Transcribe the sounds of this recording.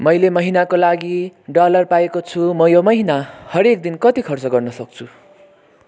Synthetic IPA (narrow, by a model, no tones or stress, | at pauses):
mʌjlemʌɦinakolaɡiɖʌlʌrpaekot͡sʰumʌjomʌɦinahʌɾek̚d̪inkʌt̪ikʰʌrt͡sʌɡʌrnʌsʌk̚t͡sʰu